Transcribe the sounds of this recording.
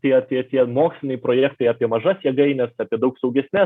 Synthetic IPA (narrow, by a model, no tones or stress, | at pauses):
t̪ʲiɛɐt̪ʲiɛt̪ʲiɛmoːksʲlʲɪnʲɐɪpɾoːjɛːkt̪ɐɪɑːpʲiɛmɐʒɐsjɛɡɐɪnʲɛsɑːpʲiɛd̪ɐʊksɐʊɡʲɛsʲnʲɛ